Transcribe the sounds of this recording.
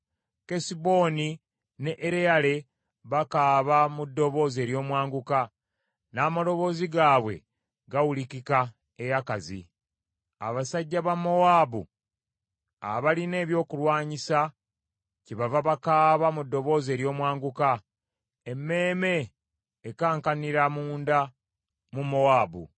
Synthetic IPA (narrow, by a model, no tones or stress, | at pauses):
kesibo̞ːni | ne̞ʔːɾejale̞ | βakaːβamudːo̞βo̞ːze̞ːɾjo̞ːmwaːŋɡuka | naːmalo̞βo̞ːziɡaːβwe̞̰ | ɡawulikika | ejakazḭ | a̰βasaɟːaβamːo̞waːbṵ | a̰βaline̞ːβjo̞ːkulwaːɲisa | ciβavaβakaːβamudːo̞βo̞ːze̞ːɾjo̞ːmwaːŋɡuka | emːe̞ːme̞ː | kaːŋkaniɾamuːnda | mumo̞waːbṵ